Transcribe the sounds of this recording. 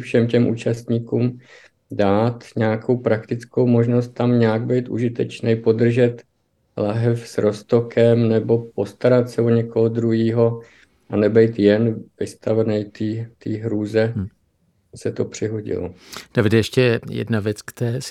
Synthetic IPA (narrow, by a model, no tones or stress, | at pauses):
fʃɛmcɛmʔuːt͡ʃast̪ɲikuːm | daːt̪ɲɛakʰo̞wpɾakt̪ɪt͡sko̞wmo̞ʒno̞st̪̚t̪ːamɲaaɡ̚bɛjt̪ʔuʒɪt̪ɛt͡ʃnɛjpo̞dr̩ʒɛt̪ | laɦɛfsɾo̞st̪o̞kʰɛmnɛbo̞po̞st̪aɾat̪sɛoɲɛko̞ɦod̪ɾuɦiːɦo̞ | ʔanɛbɛjt̪jɛnvɪst̪avɛnɛjt̪iːt̪iːɦɾuːzɛ | sɛt̪o̞pr̝̥ɪɦoɟɪ̰lo̰d̥avɪdjɛʃcɛjɛ̰dnavjɛt͡skt̪ɛɾɛːs